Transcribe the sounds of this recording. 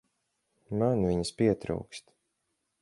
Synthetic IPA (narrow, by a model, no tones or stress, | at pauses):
manvʲiɲəspʲiɛt̪ɾṵwkst̪